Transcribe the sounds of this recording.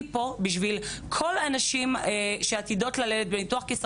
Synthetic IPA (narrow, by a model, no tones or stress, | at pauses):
po̞biʃ̬vilkʰo̞lanaʃimʃeat̪id̪o̞tlaledet̪̚bemituaχkes